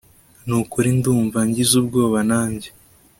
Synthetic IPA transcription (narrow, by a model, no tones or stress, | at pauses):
nukuɾinduːɱvaɲɟizub̚ɡo̞ːβanaːɲɟe